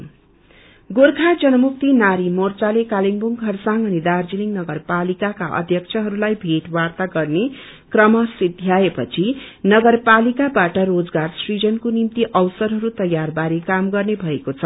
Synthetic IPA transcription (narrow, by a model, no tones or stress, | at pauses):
ɡorkʰad͡zʌnʌmuk̚t̪inaɾimort͡salekaliŋbuŋkʰʌrsaŋʌnid̪ard͡ziliŋnʌɡʌrpalikakaʔʌ̰d̪ʱjʌkt͡sʰʌɦʌɾulajbʱeʈwart̪aɡʌrne | krʌmʌsid̪ʱjaepʌt͡sʰinʌɡʌrpalikabaʈʌrod͡zɡarsrid͡zʌnkonimt̪iʔʌwsʌɾɦʌɾut̪ʌjːarbaɾikamɡʌrnebʱʌekot͡sʰʌ